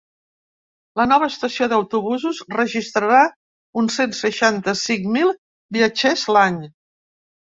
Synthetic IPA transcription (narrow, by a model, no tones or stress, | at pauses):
lənɔβ̞əːst̪əsioðəwt̪uβ̞uzuzrəʒist̪ɾəɾa | unsensəʃant̪əsiŋmilˠ | biət͡ʃezlaɲ